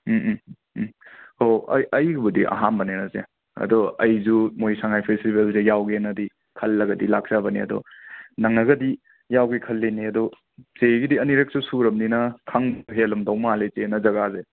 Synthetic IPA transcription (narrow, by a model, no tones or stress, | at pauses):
hoɐ̰jɐjɡibudiʔɐ̰ɦanbɐnenɐzḛ | ɐ̰dɔɐjzumojsaŋajpʰestibelzejawɡenɐdi | kʰɐlːɐɡɐdilak̚sabɐnḭɐ̰dɔ̰nɐŋɐɡɐdi | jawɡekʰɐlːeniɐdɔ | t͡ʃeɡidiɐniɾek̚susuɾɐmninɐkʰaŋbɦelumdɔwmalet͡ʃenɐzɐɡaze